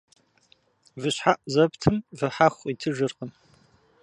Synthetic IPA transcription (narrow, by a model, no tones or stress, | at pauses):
vɨɕħaʔzɐptʰɨmvɨħaxʷitʰɨʒɨrqəm